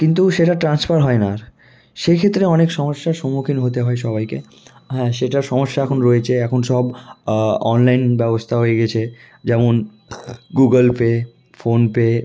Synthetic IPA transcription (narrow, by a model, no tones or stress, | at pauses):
kint̪uʃeʈaʈɾansfaɾɦɔenaɾ | ʃekʰet̪ːɾeɔnekʃɔmoʃːaɾʃomukʰinɦot̪eɦɔeʃɔbajke | ɦɛ̃ʃeʈaɾʃɔmoʃːaɛkʰonɾoet͡ɕʰeɛkʰonʃɔb | ɔnlajnbɛbost̪ʰaɦojeɡɛt͡ɕʰe | d͡ʑɛmon | ɡuɡəlpe | fonpe